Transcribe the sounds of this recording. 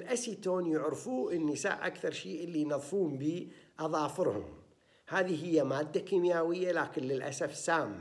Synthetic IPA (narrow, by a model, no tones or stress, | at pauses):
ɪlʔasiːt̪oːnjʊʕɾfuːʔɪnːisa̰ːʔʔa̰kθɑɾˤʃiːʔɪlːinɑðˤfuːmbiːʔɑðˤɑːfɨɾhʊ̰m | haːðiɦɪjːamaːd̪ːakiːmjaːwɪjːalaːkɪnlɪlʔa̰safsaːmːa